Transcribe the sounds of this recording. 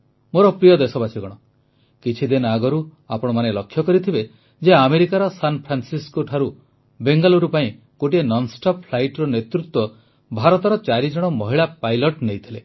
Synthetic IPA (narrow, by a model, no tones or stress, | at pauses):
moɾɔpɾijɔd̪esɔbasʰiɡɔɽ̃ɔ | kit͡ʃʰid̪inɔaɡɔɾu | apɔɽ̃ɔmanelɔkʰːjɔkɔɾit̪ʰibe | d͡ʒeameɾikaɾɔsanpʰɾansiskoʈʰaɾu | beŋɡaluɾupaĩ | koʈienɔnsʈɔppʰlajʈɾɔnet̪ɾut̪wɔ | bʱaɾɔt̪ɔɾɔt͡ʃaɾid͡ʒɔɽ̃ɔmɔɦiɭapajlɔʈnejt̪ʰile